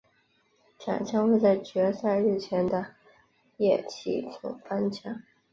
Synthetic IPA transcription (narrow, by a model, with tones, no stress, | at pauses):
t͡ɕʰja̰˨˩t͡ɕʰjɑ˥ŋxwe˥˧ɪt͡sa˥˩ɪt͡ɕɥɛ˧˥sa˥˧ɪɻɻ̩˥˩t͡ɕʰjɛ˧˥nd̪ə˧ | jɛ˥˩t͡ɕʰḭ˥˩t͡sʰʊ̰˨˥˩ŋfa˥nt͡ɕʰjɑ˥˩ŋ